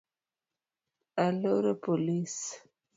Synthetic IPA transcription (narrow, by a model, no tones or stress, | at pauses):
aloɾepolis